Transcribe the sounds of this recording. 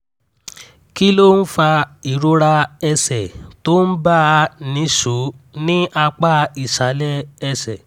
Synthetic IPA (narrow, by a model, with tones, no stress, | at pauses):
ki˦lo˦n̩˦fa˧i˨ɾo˧ɾa˧ɛ˧sɛ˨to˦n̩˦ba˦˨˧nĩ˨˦ʃo˨˦nĩ˦ʔa˧k͡pa˦i˨ʃa˨˦lɛ˦ɛ˧sɛ˨